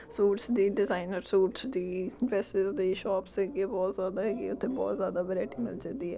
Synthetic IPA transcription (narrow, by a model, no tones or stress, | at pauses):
suːʈsd̪iːɖɪzaːinəɾsuːʈsd̪iːɾɛːsɪzd̪eːʃɔːpsɛːɡeːbɔːt̪zjaːd̪aːɦɛːɡḭːʊt̪ʰːeːbɔ̰ːt̪zjaːd̪aːbəɾɛːʈiːmɪ̰ld͡ʒẽnd̪iːɦɛ̰ː